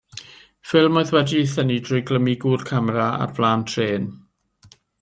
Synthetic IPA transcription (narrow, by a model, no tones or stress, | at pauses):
fɪlˠmoɨðwɛdiθənidrʊjɡləmiɡurkʰamraa̰rb̥lˠaːntʰreːn